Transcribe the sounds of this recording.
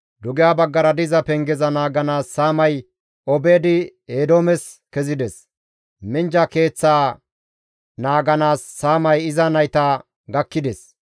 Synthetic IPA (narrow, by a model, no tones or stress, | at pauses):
d̪ʊɡɪjaːbɐɡːɐɾɐd̪ɪzɐpɛŋɡɛzɐnaːɡɐnaːsːaːmɐj | ɔbeːd̪ɪeːd̪oːmɛs | kɛzɪd̪ɛs | mɪnd͡ʒɐke̞ːt͡sːaː | naːɡɐnaːsːaːmɐjɪzɐnɐjt̪aː | ɡɐkːɪd̪ɛs